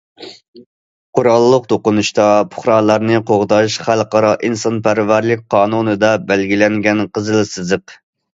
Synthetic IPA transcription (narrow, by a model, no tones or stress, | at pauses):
qʰʊɾɑlˠːəq̚d̪oqʊnuʃt̪ɑpʰʊ̥χɾɑːlˠɑɾnɨqʰoʁd̪ɑʃχælqɑɾɑʔinsɑnpæɾvæɾlɪk̚ʲqʰɑːnunɨd̪ɑbælɡʲilɛŋɡʲɛnqəzɨlˠɨsɨzɨq